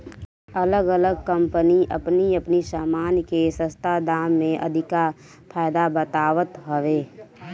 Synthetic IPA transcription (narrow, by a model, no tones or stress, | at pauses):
ələɡələɡ̚kə̃mpəniʔə̰pniəpnisaːmaːnjkesə̃st̪ʰad̪aːmːẽʔə̰d̪ʱɪka | pʰaːɪd̪abət̪aːʋət̪ɦəʋeː